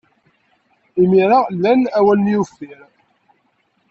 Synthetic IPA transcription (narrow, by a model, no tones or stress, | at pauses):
imiɾalːænæwælːijufːiɾ